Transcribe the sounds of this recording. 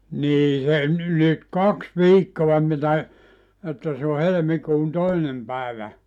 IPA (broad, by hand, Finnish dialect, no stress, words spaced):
niː se nyt kɑks ʋiːkːoɑ mitæ etːæ se o helĕmikuːn toinem pæˑeʋæ